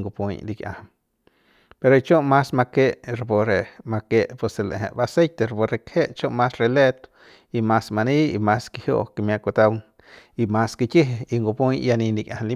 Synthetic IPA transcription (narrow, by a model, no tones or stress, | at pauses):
ŋɡopuɲlikʲʼja̰hm | peɾoit͡ʃomːasmakeʔɾepoɾemakeʔpeselḛʔɦḛ̃ʔbasejt̪eɾpoɾekheʔt͡ʃomːasrelet̪o̥ | imasmaniḭmaskihjo̰ʔkemjakot̪awŋ | imaskikiɦeiŋɡopujjaninikjʔa̰hnli